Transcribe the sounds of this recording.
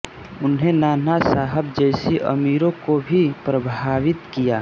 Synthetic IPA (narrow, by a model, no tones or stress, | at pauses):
ʊnɦenaːnasaːɦəb̚d͡ʒɛɪsiʔə̰miːɾõkobʱipɾəbʱaːʋɪt̪kijaː